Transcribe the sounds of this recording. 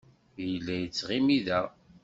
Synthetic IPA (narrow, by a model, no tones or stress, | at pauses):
jəlːæjət͡sːʁimiðæ